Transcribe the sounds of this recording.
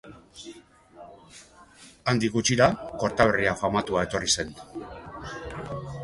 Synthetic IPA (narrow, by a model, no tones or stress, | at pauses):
and̪ikɡut͡ʃiɾako̞ɾt̪aβeriafamat̪uae̞t̪o̞rise̞n